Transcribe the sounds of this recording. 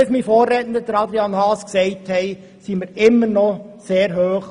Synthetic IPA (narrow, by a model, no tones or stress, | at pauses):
smifoːrːeːtənd̪əd̥̪əɾɑd̪ɾiɑnhɑːsksɛɪthɛɪ | siməɾɪmːənɔseːɾɦøːχ